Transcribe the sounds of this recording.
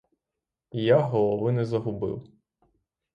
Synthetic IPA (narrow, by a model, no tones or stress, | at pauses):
jaɦɔlˠɔʋɪnɛzɐɦʊbɪ̰w